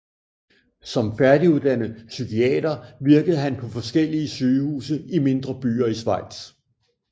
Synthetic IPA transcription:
sɒ̽mfæɐd̥iuðˠd̥ænəsykʰiɛ̰ːd̥ɐʋiɐɡ̥əð̞̩ˠɦænpʰɒ̽fɒ̽sɡ̥el̰iəsyːhṵːsəime̝nd̥ʁɐb̥y̰ːɐisʋɑ̈ɪ̰d̥s

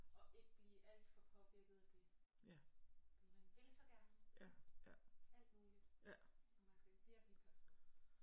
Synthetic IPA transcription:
ɒ̽ʔe̝ɡ̥əb̥lḭːʔæl̰d̥fɒ̽pʰɒ̽b̥iɡ̥ðˠɐd̥e̝ | mmænʋe̝lsɒ̽ɡ̥æɐnə | æl̰d̥muːlid̥ɒmænsɡ̥æfeɐɡ̥lipʰɒsd̥

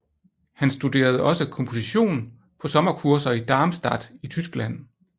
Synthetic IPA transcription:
hænsd̥ud̥e̝̰ːɐð̞̩ˠɒ̽səkʰɒ̽mpʰo̝siɕo̝̰ːn | pʰɒ̽sɒ̽mɐkʰuɐsɐid̥ɑ̈ːmsd̥ɑ̈d̥it͡sʰysɡ̥læn̰

